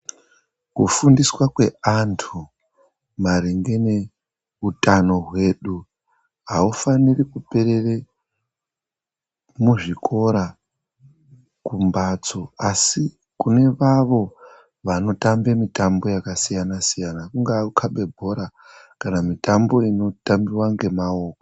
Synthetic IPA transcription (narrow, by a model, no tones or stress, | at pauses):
kufundiswakwe̞antʰu | maɾiŋɡe̞ne | utano̞ɦwe̞ɗu | ɦaufanirikupe̞ɾe̞re | muʐikʰo̞ɾa | kumbat͡so̞asi | kune̞ʋaʋo̞ | ʋano̞tambemitambo̞jakasijanasijanakuŋɡaukʰaɓe̞bʱo̞ɾa | kanamitambo̞ino̞tambiwaŋɡe̞mao̞ːko̥